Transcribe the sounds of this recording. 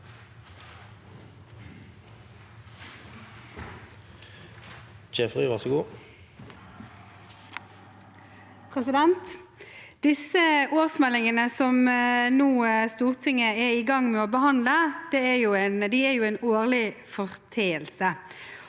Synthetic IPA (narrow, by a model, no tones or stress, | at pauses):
d͡ʒɛfʁiːʋɑʁsəɡuː | pʰʁɛsɪd̪ɛnt̪ | d̪̥ɪsəoːʁsmɛlɪŋənəsɔmnuːst̪uːʁt̪ʰɪŋːəɛɪɡɑŋːmɛoːbəhɑnləd̪̥ɛæjuːɛnd̪iæɾjʊɛɪnoːʁlɪfɔʁt̪ʰeːəlsə